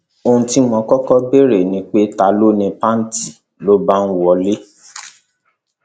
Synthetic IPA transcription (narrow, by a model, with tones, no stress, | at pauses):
o˧ũ˧ti˦mɔ̃˨˧˦kɔ˦kɔ˦be˦ɾe˨nĩ˨˦k͡pe˦ta˧lo˦nĩ˧pa˦n̩˦ti˨ | lo˦ba˦ñ̩˦wɔ˧˦le˦